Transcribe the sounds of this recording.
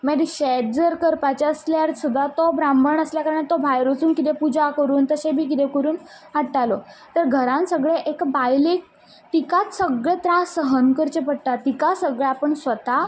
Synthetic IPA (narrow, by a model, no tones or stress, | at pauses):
mɛɽiɕɛʈ̪d͡zəɾkəɾpat͡ɕaəsljaɾsud̪ʱːat̪obɾambʱəɳəsljakəɾəɳat̪obʱajɾot͡suːnkit̪ẽpud͡ʑakəɾuːnt̪əɕẽbʱiːkit̪ɛkəɾuːn | ɦaɽʈalot̪əɾɡʱəɾãnsəɡɭeʔekbajlek̚ | t̪ikat̪səɡɭet̪ɾãsəɦənkəɾt͡ɕepəɽʈ̪at̪ikasəɡɭaapəɳsʋət̪a